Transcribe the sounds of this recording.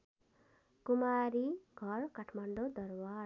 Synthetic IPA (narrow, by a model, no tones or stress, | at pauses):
kumaɾiɡʱʌrkaʈʰmaɳɖod̪ʌrwa